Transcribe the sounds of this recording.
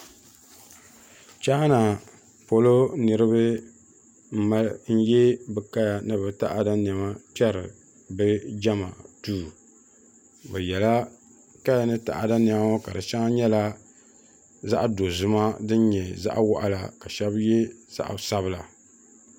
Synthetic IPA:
t͡ʃa˦ha˦na˨ | po˦lo˦nɨ˨ɾɨ˦bɨ˦ | m̩˦ma˦n̩˦jɛ˦bɨ˨ka˦ja˨nɨ˦bɨ˦ta˦ʔa˨da˦n˨ɛ˨ma˦pɛ˦ɾɨ̰˨ | bɨ˦d͡ʒa˦ma̰˨tuː˦˨ | bɛ˨jɛ˨la˦ | ka˦ja˨nɨ˦ta̰˨ʔa˨da˦n˨a˨ma˦ka˨dɨ˨ʃa˦ŋa˦ɲɛ˦la˦ | za˦ʔdo˨zʊ˨ma˦dɨ˦n˦ɲɛ˨za̰˦ʔwɔ˦ʔa̰˦la̰˨ka˨ʃɛ˦bjɛ˦z̥a̰˦ʔsa˦βɨ˦la˨

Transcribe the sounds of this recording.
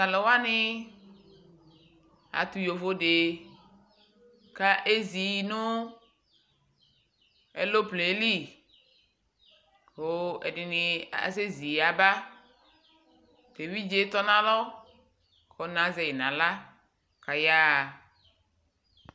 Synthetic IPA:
za˨lɛ˨wa˦nɪ˦ | a̰˨t̪u˨jo˨vo˦de˨ | ka˦ʔe˦zi˨nʊ˦ | ɛ˨lo˦ple˨˦li˦˨ | o˨ɛ̰˨dɪ˨nɪ˨a̰˨se˦zi˨a˨ba˦ | t̪e˨wi˦d͡ʒe˦t̪ɔ˦nã˦lɔ˦ | kʰɔ˨nã˨˦ze˨jɪ˨nã˨la˦ | ka˨ja˦˨

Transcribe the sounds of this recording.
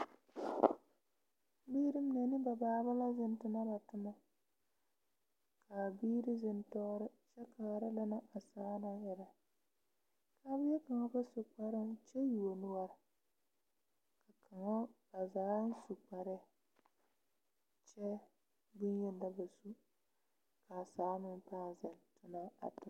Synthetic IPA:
biː˦ɾɪ˦m˦nɛ˨nɪ˦ba˨baː˦ba˦la˦zɪ˦n˦tʊ˦na˦ba˨tʊ˦na˦ | kʰa˨biː˦ɾɪ˦zɪ˦ntɔː˦ɾɪ˦t͡ʃɛ˦ka˨ɾa˦la˦na˦ʔa˨saː˦na˦jɪ˨ɾa˨ | kʰa˦bɪ˦jɛ˦ka˨ŋa˦ba˦sʊ˨k͡pa˦ɾɪ˦nt͡ʃɛ˦ju˨o˨nʊ˦wa˦ɾ | ka˨kʰa˨ŋa˦ba˨zaː˨˦n˦su˨k͡pa˨ɾɛ˦ | t͡ʃɛ˦ | bʊ˦n˦jɛ˦n˦da˦ba˨su˦ | ka˨saː˨˦nɪ˦m˦paː˦˨zɪ˨ntʊ˦na˦a̰˨tʊ˦˨

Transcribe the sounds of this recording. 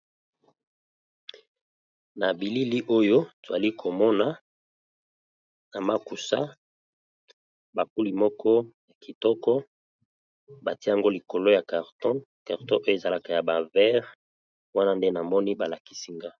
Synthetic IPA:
na˨bi˨li˦li˦ʔo˦jo˦to˨za˨li˦kʰo˨mɔ˦na˨ | na˨ma˦ku˨sa̰˦ | ba˨ku˦li˨mɔ˦kʰɔ˦ja˨ki˨tɔ˦kɔ˦ | ba˨ti˦a˨ŋɡo˦li˨ko˨lo˦ja˨ka˨ʁtɔ̃˦ | ka˨ʁtɔ̃˦ʔo˦jo˦e˨za˨la˨ka˨ja˨ba˨vɛ˦ʁ | wa˦na˦nde˦na˨mɔ˦ni˦ba˨la˨ki̥˦si˦ŋɡa˦

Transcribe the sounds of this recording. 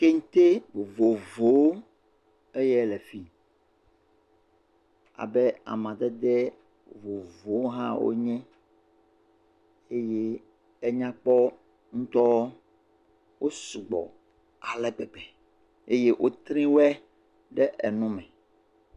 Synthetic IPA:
ke˦ŋũ˦t̪e˦vo˨vo˨˦ | e˦jɛ˦lɛ˨fi˦ | a̰˨bɛ˦a̰˨mã˨d̪ɛ˦d̪ɛ˦ | vo˨vo˨˦ɦã˦wo̰˦ɲɛ̃˦ | e˦jeː˦ | ɲã˦k͡pɔ˦ | ŋũ˦t̪ɔ˦w | wʔo˦su˨ɡ͡bɔ̰˨ | a˨lɛ˦ɡ͡bɛ˨ɡ͡bɛ˨ | e˦je˦ʔo˦t̪ɾĩ˦wɛ˦ | ɖɛ˦ʔɛ˨nũ˦mɛ̃˨

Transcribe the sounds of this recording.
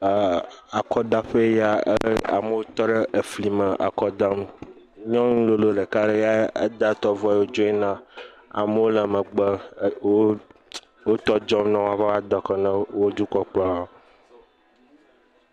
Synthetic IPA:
a˨kɔ˦d̪a˦ɸe˦ja˦ḛ˦a̰˨mə˦wo˦t̪ɔ˦ɖe˦ʔe˨fli˨mə˨ʔa̰˨kɔ˦d̪a˦m | ɲɔ̃˦ŋũ˦lo˦lo˦ɖe˨ka˦ɖe˦ja˦ḛ˦d̪a˦t̪ɔ˦vɔ˦˨wo˦d͡ʒo˦e˦nã˦ | a̰˨mə˦wo˦lɛ˨mə̃˨ɡ͡bə˦wo˦ | wo˦t̪ɔ˦d͡ʒɔ˦mnɔ̃˦wa˨ɸe˦a˦d̪ɔ˨kɔ˨nə̃˦wo˦d̪u˦kɔ˦k͡plɔ̃˦˨

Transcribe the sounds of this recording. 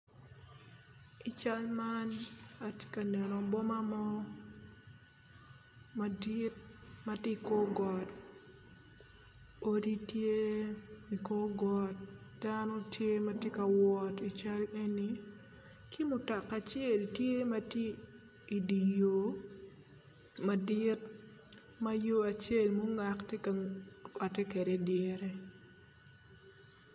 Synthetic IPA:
i˨t͡ʃa˦lma˦na˨tje̥˦ka˨nɛ˨nɔ˨bɔ˦ma˦mɔ˦ | ma˨di˦t̚ma˦ti˦ko˦ɡɔ˨t | o˦di˦tje˦wi˨ko˦ɡɔ˦t̚d̥a˦nɔ˦tʰje˦ma˦tje˦ka˨wɔ˦ti˨t͡ʃa˦le˦ni˨ | kʰi˦mʊ˨ta˨kːa˨t͡ʃe˦˨ltje˦ma˦tje˦ | i˨di˨jo˨ | ma˨dɪ˦t | ma˦jo˦a˨t͡ʃe˦lmo˦ŋa˨kte˦kaa˨tɛ˦ke˨de˨dje˦ɾe˦

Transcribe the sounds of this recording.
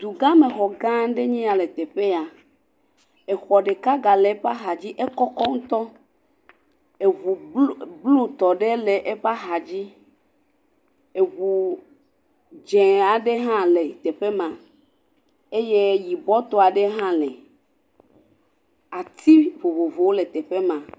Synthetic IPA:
d̪u˨ɡã˦me˨xɔ˨ɡã˦ɖe˦ɲĩ˦a˨le˨t̪e˨ɸe˦a˨ | e˨xɔ˨ɖe˨ka˦ɡa˨le˨˦ɸa˦ɦa˨d͡ʑi˦ʔe˦kɔ˦kɔ˦ŋũ˦t̪ɔ˦ | e˨vu˨blu˦t̪ɔ˨ɖe˦le˨ʔe˦ɸa˦xa˨d͡ʑi˦ | e˨ɣu˨ | d͡ʒɛ̃˨a˨ɖe˦ɦã˦le˨t̪e˨ɸe˦mã˨ | e˦je˦ji˨bɔ˦t̪o˦a˨ɖe˦ɦã˦lɛ˨ | a˨t̪ʰi˦vo˨vo˨vo˨wo˦le˨t̪ɛ˨ɸe˦mã˨

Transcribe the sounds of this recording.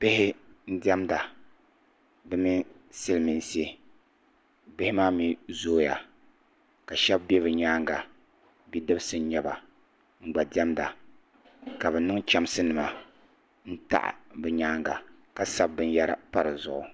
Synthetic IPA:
pɪ˦hɪ˦n̩˦dɛ˦mda˨ | bɨ˦mi˦ | sɨ˦lmi˨n˨si˦e˦ | bɪ˦hɪ˦maː˦mi˦zoː˦ja̰˨ | ka˨ʃɛ˦bbe˦bɨ˨ɲaː˦ŋɡa˨ | bi˦dɨ˦bsɨ˦ɲɛ˦ba˨ | ŋ͡m̩˦˨ɡ͡ba˨dɛ˦mda˨ | ka˨bɛ˨nɨ˦ŋt͡ʃa˦msɨ˦nɨ˨ma˨ | n̩˦ta̰˦˨ʔbɨ˨ɲaː˦ŋɡa̰˨ | ka˦sa˦b̚ːɨ˦n˦ja˦ɾa̰˦pa˦ɾɨ˨zʊ˨ʔʊ̰˨

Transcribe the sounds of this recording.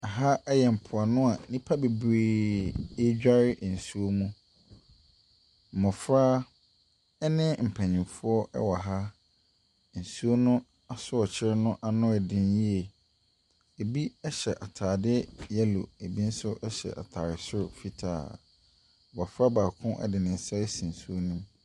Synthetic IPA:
a˨ɦa˦ɛ˦jɛ˨m̩˨pʰʊ˨a˨nʊ̃˦a˨nĩ˦pʰa˦be˨bɾeː˦ | e˦d͡ʑᶣa˦ɾɪ˦ʔn̩˨su˦o˦mũ˦ | m̩˨mɔ̃˨fɾaː˦ | ɛ˦nɪ̃˦m̩˨pʰɛ̃˨ɲɪ̃˨mfʊ˦ɔ˦ʔɛ̰˦wa˨ɦa˦ | n̩˨su˦o˦nʊ̃˦ | a˨sʊ˦ɔ˨t͡ɕʰɪ˦ɾɪ˦nʊ̃˦ʔa˦nʊ̃˦ɛ˨dɪ̃˦nji˦e˨ | e˨bi˦ɛ˦ɕɛ˨ʔa˨tʰaː˨dɪ˦jɛ˦lo̰˨e˨bi˦n̩˦sʊ˦ɛ˦ɕɛ̰˨ʔa̰˨tʰaː˨ɾɪ˨sʊ˦ɾʊ˨fi˦tʰa̰ː˨ | ɔ˨ba˨fɾa˦baː˨kʰʊ̃˦ʔɛ̰˦dɪ˨nɪ̃˨n̩˨sa˦ɾɪ˦sĩ˨n̩˨su˦o˦nũ˦m

